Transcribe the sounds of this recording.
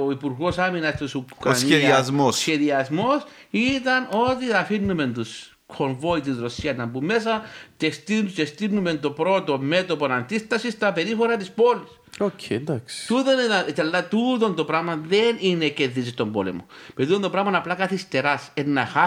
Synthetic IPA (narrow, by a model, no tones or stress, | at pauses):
oipuɾɣo̞saminɐst̪osukɾaneiɐzmmossçeðiɐzmo̞sit̪ɐno̞t̪iɐfinːume̞nt̪us | kʰoɱvo̞it̪̬izɾosiɐnːɐmbumːe̞s̬ɐcest̪it͡ʃest̪inume̞nt̪o̞pɾo̞t̪ome̞t̪opo̞nand̪ist̪ɐsist̪ɐpe̞ɾifoɾɐt̪ispo̞lis | okʰend̪aksi̥t̪ut̪onit̪ɐnt̪elːat̪ut̪o̞nd̪o̞pɾamɐðenineceðːis̬ist̪ombo̰lḛmo̰peit̪ont̪opɾɐmɐnɐplakaθist̪e̞ɾasenːɐxa